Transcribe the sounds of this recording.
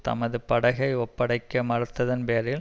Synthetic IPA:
t̪ɐ̰mɐðɯpɐɽɐɣɐɪɔpːɐɽɐɪkːɐmɐɾɯt̪ːɐðɐnpeːɾɪl

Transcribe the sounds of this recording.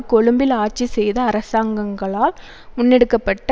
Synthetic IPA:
kɔɻɯmbɪlaːʈ̚t͡ʃːisɛjðɐːɾɐsaːŋɡɐŋɡɐɭaːl | mʊnːɛɽɯkːɐpːɐʈː

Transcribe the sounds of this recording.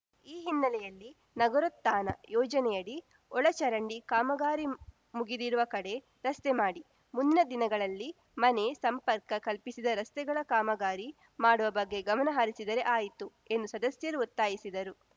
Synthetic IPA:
iːɦinːɐlɛjɐlːi | nɐɡɐɾot̪ːaːnɐ̰jɔːd͡ʒɐnɛjɐɽi | ɔɭɐt͡ʃɐɾɐɳɖikaːmɐɡaːɾi | muɡid̪iɾuʋɐkɐɽe̞ | ɾɐst̪emaːɽi | mund̪inɐd̪inɐɡɐɭɐlːi | mɐne̞sɐmpɐɾkɐkɐlpisid̪ɐɾɐst̪ɛɡɐɭɐkaːmɐɡaːɾi | maːɽuʋɐbɐɡːe̞ɡɐmɐnɐɦaɾisid̪ɐɾe̞ʔaːjit̪u | e̞nd̪usɐd̪ɐsjɐɾuut̪ːaːjisid̪ɐɾu

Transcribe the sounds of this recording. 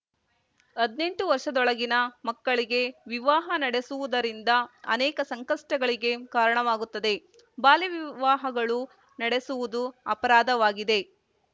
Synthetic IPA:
ɐd̪ne̞ɳʈuʋɐɾʂɐd̪ɔɭɐɡinɐmɐkːɐɭiɡe̞ʋiʋaːɦɐnɐɽe̞suʋud̪ɐɾind̪ɐɐ̰nɛːkɐsɐŋkɐʂʈɐɡɐɭiɡe̞kaːɾɐɳɐʋaːɡut̪ːɐd̪e̞ | baːliʋiʋaːɦɐɡɐɭu | nɐɽe̞suʋud̪uɐpɐɾaːd̪ɐʋaːɡid̪e̞

